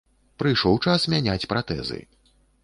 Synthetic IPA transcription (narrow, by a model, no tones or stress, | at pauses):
pɾɨjʂɔwt͡ʂasmʲanʲat͡sʲpɾat̪ɛ̰zɨ̰